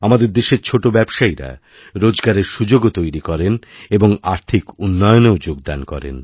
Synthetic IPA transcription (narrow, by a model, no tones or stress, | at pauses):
amad̪eɾd̪eʃeɾt͡ɕʰoʈobɛbʃaiɾa̰ | ɾod͡ʑɡaɾeɾʃud͡ʑoɡot̪ojɾikɔɾeneboŋaɾt̪ʰikunːɔjoneod͡ʑoɡd̪ankɔ̰ɾḛn